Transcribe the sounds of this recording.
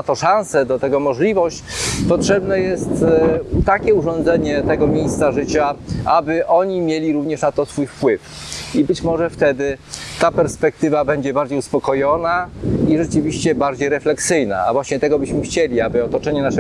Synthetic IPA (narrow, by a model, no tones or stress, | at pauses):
at̪ɔʂãñsɛd̪ɔt̪ɛɡɔmɔʐlʲivɔɕt͡ɕpɔtʂɛbnɛjɛst̪t̪akʲɛuʐɔnd̪zɛɲɛt̪ɛɡɔmʲjejst̪saʐɘt͡ɕaʔabɘʔɔɲimʲjelʲiɾuvɲɛʂnat̪ɔsfujfpwɘf | ibɘt͡ɕmɔʐɛft̪ɛd̪ɘt̪apɛɾspɛk̚t̪ɘvabɛɲd͡ʑɛbaɾd͡ʑejuspɔkɔjɔnaiʐɛt͡ʂɘvʲiɕt͡ɕɛbaɾd͡ʑejɾɛflɛksɘjna̰a̰vwaɕɲɛt̪ɛɡɔbɘɕmɘxt͡ɕelʲiabɘɔt̪ɔt͡ʂɛɲɛnaʂɛ